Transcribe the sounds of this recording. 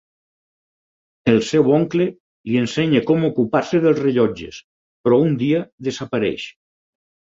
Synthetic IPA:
elsewoŋkle | lienseɲekomokupaɾseðelˠzreʎɔd͡ʒes | pɾɔund̪iaðesapaɾḛʃ

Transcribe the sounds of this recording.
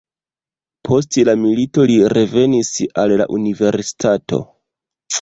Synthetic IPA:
pʰo̞s̬tlamilito̞liɾe̞ve̞nisalla̰ʔunive̞ɾsi̥tʰato̞̰

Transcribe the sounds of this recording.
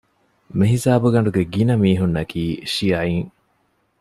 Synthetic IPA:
meɦisaːbuɡɐɳ̆ɖuɡeɡinɐmiːɦunːɐkiːʃijaːiŋ

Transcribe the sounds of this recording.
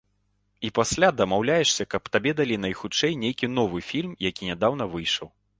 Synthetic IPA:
ipasʲlʲad̪ɐmawlʲajɛʂsʲɐkɐpt̪abʲɛd̪alʲinɐjxut͡ʂɛjnʲejkʲinɔvɨfʲilʲmjakʲinʲɛd̪awn̪ɐvɨjʂɐw

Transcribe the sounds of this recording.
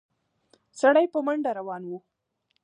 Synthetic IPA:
saɽajpəmaɳɖaɾawɑnwu

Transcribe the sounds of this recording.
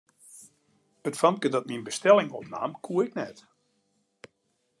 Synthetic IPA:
ətfankədɔt̚minbəstɛlˠɪŋɔpna̰ːmkʰuəɪknɛt

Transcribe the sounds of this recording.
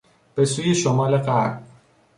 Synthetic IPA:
b̥e̞suːjeʃomɒːleɢæɾb

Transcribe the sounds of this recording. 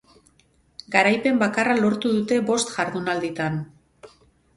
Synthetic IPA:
ɡaɾajpe̞mbakaralo̞ɾt̪uðut̪e̞βo̞st̪ʝaɾðunald̪it̪an

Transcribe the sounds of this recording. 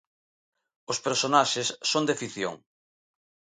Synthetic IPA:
ʊspeɾsonaʃɪsːond̪efiθjo̰ŋ

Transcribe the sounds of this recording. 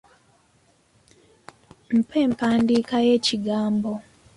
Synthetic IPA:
m̩pʰe̞ːmpaːndiːkaje̞ːciɡaːmbo

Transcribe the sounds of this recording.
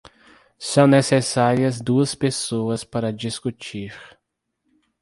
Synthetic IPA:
sɐ̃w̃nesesaɾiɐzd̪uɐspesoɐspaɾɐd͡ʒiskut͡ʃiɾ

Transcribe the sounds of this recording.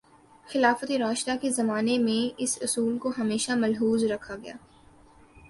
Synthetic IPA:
xɪlaːfət̪eɾaːʃt̪akezɐmaːnemẽɪsʊsuːlkoɦɐmeːʃamɐlɦuːzɾɐkʰaɡɐja̰ː

